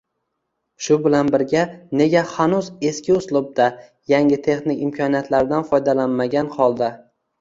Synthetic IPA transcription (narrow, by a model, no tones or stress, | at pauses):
ʃʊbɪlanbɪɾɡʲane̞ɡʲahanʊze̞skʲɪʊslˠʊb̚d̪a | jaŋɪt̪ʰe̞χnɪkʲɪmkʰɒnijat̪ʰlaɾɪd̪anfɒjd̪alanmaɡʲanhɒlˠd̪a